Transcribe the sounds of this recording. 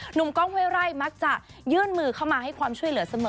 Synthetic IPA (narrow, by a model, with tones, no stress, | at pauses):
nu˨˩˦mkɔː˥˩ŋweː˥˩wɾa˥˩jma˦˥k̚t͡ɕa˨˩ʔjɯː˥˩nmɯː˧kʰa˥˩wmaː˧ɦa˥˩jkʰwaː˧mt͡ɕʰu˥˩əjlɯ˩˦sa˧mɤː˨